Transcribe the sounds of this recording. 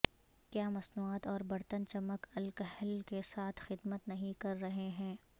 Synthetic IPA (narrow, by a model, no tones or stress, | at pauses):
kjaːmɐsnuːaːt̪ɔːɾbɐɾt̪ənt͡ʃɐməkɐlkəɦlkesaːt̪ʰxɪd̪mət̪nɐɦĩkɐɾːɐɦeɦɛ̃ː